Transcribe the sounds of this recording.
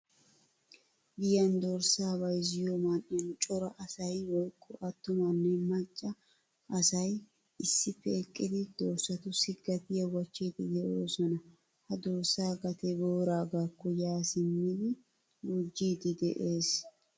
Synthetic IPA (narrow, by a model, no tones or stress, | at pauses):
ɡɪjɐnd̪oɾsaːbɐjzɪjomanʔɪjɐnt͡ʃʼɔɾɐʔɐsɐjwɔjkʰʼːɔʔɐt̪ːʊmɐnːɛmɐt͡ʃʼːɐ | ʔɐsɐj | ɪsːɪpːɛɛkʼːɪd̪ɪd̪̥oːɾsɐt̪ʊsɪɡːɐt̪ɪjɐwɐt͡ʃːiːd̪ɪd̪ɛʔoːsɔnɐ | hɐd̪oːɾsaːɡɐt̪ɛɡoːɾaːɡaːkːɔjaːsɪmːɪd̪ɪ | ɡud͡ʒːiːd̪ɪd̪ɛ̰ʔe̞ːs